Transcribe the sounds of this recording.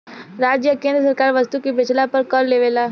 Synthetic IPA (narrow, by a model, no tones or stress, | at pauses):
ɾaːd͡ʒjəkẽːnd̪ɾəsəɾkaːɾʋəst̪ukibɪt͡ʃʰlapəɾkəɾleːʋeːlaː